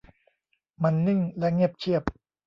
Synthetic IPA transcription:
ma˧nːɯ˥˩ŋlɛ˦˥ŋi˥˩əp̚t͡ɕʰi˥˩əp̚

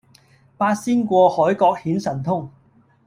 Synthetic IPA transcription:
paː˧t̚siː˥nkʷɔː˧hɔː˨˥jkɔː˧k̚hiː˨˥nsɐ˨˩nt̪ʰʊ˥ŋ

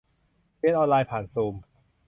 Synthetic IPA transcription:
i˧˥˨nʔɔː˧nlaː˧jpʰaː˨˩˦nsuː˧m

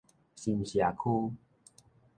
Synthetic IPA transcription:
ɕi˧˩nɕja˨˩kʰu˦

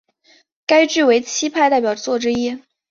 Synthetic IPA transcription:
ka˥ɪʈ͡ʂɻ̩˥˩we˧˥ɪt͡ɕʰi˥pʰa˥˧ɪt̪a˥˩ɪpjɑ˨˩ʊt͡swɔ˥˩ʈ͡ʂɻ̩˥i˥

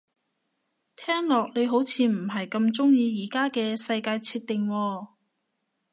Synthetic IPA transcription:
t̪ʰɛː˥ŋlɔː˨k̚ne˨˧jɦo˨˥wt͡sʰiː˧m̩˨˩ɦɐ˨jkɐ˧mt͡sʊ˥ŋjiː˧jiː˨˩kaː˥kɛː˧sɐ˧jkaː˧jt͡sʰiː˧t̚t̪ːɪ˨ŋwɔː˧

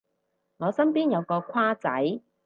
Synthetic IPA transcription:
ŋɔː˨˧sɐ˥mpiː˥njɐ˨˧wkɔː˧kʷʰwaː˥t͡sɐ̰˨˥j

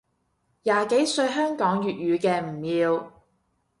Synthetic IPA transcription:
jaː˨ke˨˥jsɵ˧ɥɦœː˥ŋkɔː˨˥ŋjyː˨t̚jyː˨˧kɛː˧m̩˨˩jiː˨˧w

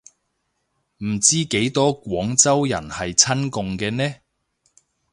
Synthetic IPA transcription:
m̩˨˩t͡siː˥ke˨˥jt̪ɔː˥kʷɔː˨˥ŋt͡sɐ˥wjɐ̰˨˩nhɐ˨jt͡sʰɐ˥nkʊ˨˧ŋkɛː˧nɛː˥

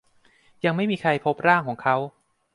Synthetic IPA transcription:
ja˧ŋma˥˩jmiː˧kʰɾa˧jpʰo˦˥p̚ɾaː˥˩ŋkʰɔː˩˦ŋkʰa˦˥w

